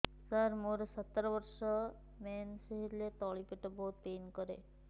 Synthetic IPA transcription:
səɾmoːɾsət̪ːɾʋəɾʃə | mɛːnsəɦiɾlet̪ɔːɭipiʈəbɔːt̪̚peːnkəɾḛ

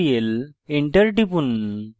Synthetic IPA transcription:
ijeleɳʈɐɾʈipun

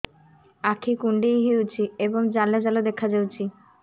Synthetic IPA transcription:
akʰikuɳɖejɦiwt͡ɕʰieboŋd͡ʑalːed͡ʑalod̪ekʰad͡ʑawt͡ɕʰi

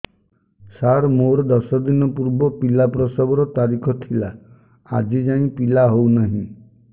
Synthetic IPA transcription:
saɾmoɾɔd̪ɔsɔd̪inɔpuɾbɔpilapɾɔsɔbɔɾɔt̪aɾikʰɔt̪ʰila̰ː | d͡ʒid͡ʒãĩpilaɦownaɦĩ

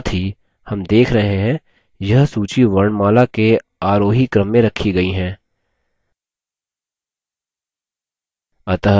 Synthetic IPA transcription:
t̪ʰɦi | hɐmd̪eːkʰɾɐɦeɦɛ̃ː | jɐɦsuːt͡ʃiʋɐɾɳmaːlakeaːɾoːɦikɾəmːẽɾɐkʰiɡɐiɦɛ̃ː | ɐt̪əɦ

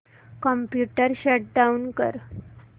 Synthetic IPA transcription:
kəmpjuʈəɾɕəʈ̚ɖaunkə̰ɾ

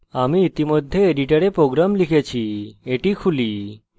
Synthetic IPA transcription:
amiːt̪imɔd̪ʱːjeeɖiʈaɾepɾoɡɾamlikʰet͡ɕʰieʈikʰuli

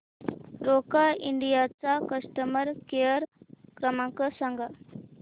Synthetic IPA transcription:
ɾokaiɳɖijat͡sakəsʈəməɾkeəɾkɾəmãŋkəsəŋɡʱa

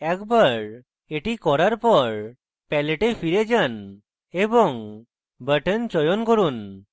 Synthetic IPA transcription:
ɛkbaɾ | eʈikɔɾaɾpɔɾ | pɛleʈepʰiɾed͡ʒan | ebɔŋ | bəʈənt͡ʃɔjɔnkɔɾun

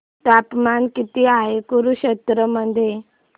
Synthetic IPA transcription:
t̪apmankit̪iaɦekuɾuɕət̪ɾəmənd̪ʱe

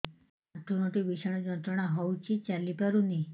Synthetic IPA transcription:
aʈ̪ːunɔʈibiʃaɽ̃ɔd͡ʒɔnt̪ɾɔɽ̃aɦɔwt͡ʃʰit͡ʃalipaɾuni

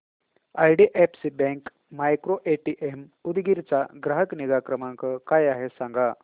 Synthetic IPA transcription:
ajɖiʔepsibɛ̃ŋk | majkɾoʔeʈiʔemud̪ɡiɾt͡saɡɾaɦəkniɡakɾəmãŋkəkajaɦesãŋɡa

